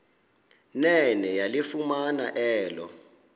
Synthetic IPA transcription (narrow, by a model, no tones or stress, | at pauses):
nɛnɛjalifumanaʔɛːlɔ̰